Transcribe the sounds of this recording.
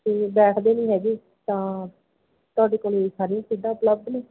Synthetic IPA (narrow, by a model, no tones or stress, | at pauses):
eːbɛːʈʰd̪eːnĩːɦɛːɡiː | t̪ãː | t̪ʊaːɖeːkoːliːsaːɾĩːsʰeɖãːʊpləb̚d̪nẽː